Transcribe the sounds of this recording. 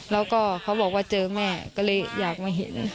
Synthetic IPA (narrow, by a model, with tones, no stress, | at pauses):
lɛː˧˥wkɔː˧˩kʰa˨˦wbɔː˨˩k̚waː˧˩t͡ɕɤː˧mɛː˧˥˩kɔː˧˥˩lɤː˧˥jjaː˨˩k̚maː˧˩jɦḛ˨˦n